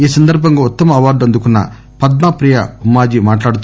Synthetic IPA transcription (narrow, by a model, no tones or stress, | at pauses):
iːsɐnd̪ɐɾbʱɐŋɡaːut̪ːɐmɐɐʋaːɾɖɐnd̪ukunːɐ̰ | pɐd̪nɐpɾiːjɐmaːd͡ʒimaːʈlaːɽut̪